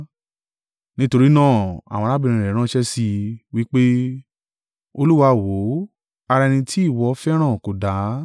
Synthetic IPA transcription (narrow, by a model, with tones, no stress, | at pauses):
nĩ˦to˧ɾi˦nãː˦˨a̰˨w̃ɔ̃˧la˦bĩ˧ĩ˧ɾɛ˨˦ɾ̃ã˦ʃɛ˦si˧wi˦k͡pe˦ | o˧lu˦wa˧˦˨wo˨˦ | a˧ɾa˧nĩ˧tʰi˦i˦˨wɔ˨˧˦fɛ˦ɾ̃ã˦˨ko˨da˨˦